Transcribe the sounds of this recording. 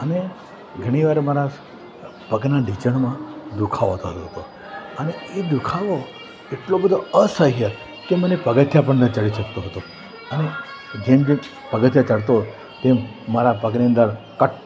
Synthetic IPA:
əne | ɡʱəɽ̃iʋaɾemaɾa | pəɡnaɖit͡ʃəɳmãd̪ukʰaʋot̪oɦət̪oɦət̪o | əneed̪ukʰaʋo | eʈlobəd̪ʱoəsəɦjə | kemənepəɡət̪ʰjapəɳnət͡ʃəɭiʃək̚t̪oɦət̪o | əne | d͡ʒemd͡ʒe | pəɡət̪ʰjat͡ʃəɭt̪o | t̪emː | aɾapəɡniə̃nd̪əɾ | kəʈ

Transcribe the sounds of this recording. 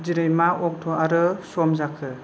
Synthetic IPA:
d͡ʒiɾɯjmaɔk̚tʰɔʔaɾɯsɔmzakʰɯ

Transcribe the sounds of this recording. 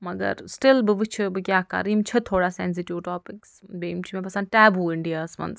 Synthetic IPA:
mɐɡɐ̰ɾsʈɪlbɨʋɨt͡ʃʰɨbɨkʲjaːkɐ̰ɾimt͡ʃʰɐt̪ʰoːɽaːsɛns̬ɪʈiʋʈɔːpɪksbeːmt͡ʃʰimẽp̬ɐsɐ̃n̚ʈɛːbuːɪɳɖijaːsʋɐ̰̃ns

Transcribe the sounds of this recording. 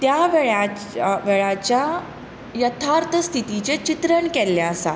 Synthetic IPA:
t̪jaʋeɭa | ʋeɭat͡ɕja | jət̪ʰaɾt̪ʰəst̪ʰit̪it͡ɕet͡ɕit̪ɾəɳkɛlːɛəsa̰

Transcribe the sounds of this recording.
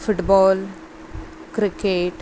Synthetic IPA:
fʊʈbɔːl | kɾɪkeʈ

